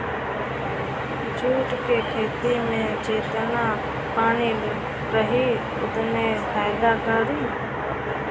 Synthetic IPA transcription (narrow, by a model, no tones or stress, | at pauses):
d͡ʒuːʈkekʰeːt̪imẽt͡ʃeːt̪na | paːnil | ɾəɦi | ʊt̪nefʰaːjd̪akaːɾi